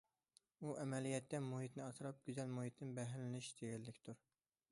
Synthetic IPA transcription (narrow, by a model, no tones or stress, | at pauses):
uʔɛmɛlijɛt̪ːɛmuɦit̪nɪɑt̪ɨɾɑp̚ɡʲyzɛlmuɦit̪nɪbɛɦlɪnɪʃd̪eɡʲɛlːɪkʲt̪ʰuɾ